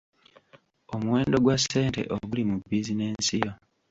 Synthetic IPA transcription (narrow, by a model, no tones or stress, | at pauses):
omuwe̞ːndo̞ɡwase̞ːnte̞̰ʔoɡulimubːiːzine̞ːnsijo